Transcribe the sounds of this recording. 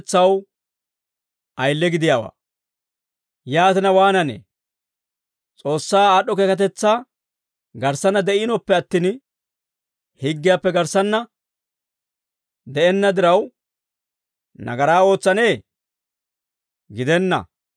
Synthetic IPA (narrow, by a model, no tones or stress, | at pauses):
t͡sːɐw | ɐjlːɛɡɪd̪ɪjaːwa̰ː | jaːt̪ɪnɐwaːnɐnḛː | t͡sʼo̞ːsːaːaːɗːɔkeːkɐt̪̬ɛt͡sːaː | ɡɐɾsɐnːɐd̪ɛʔɪnɔpːɛɐt̪ːiːn | hɪɡːɪjaːpːɛɡɐɾsːɐnːɐ | d̪ɛɛnːɐd̪ɪɾɐw | nɐ̰ɡɐɾaːo̞ːt͡sːɐneː | ɡɪd̪ɛnːɐ̰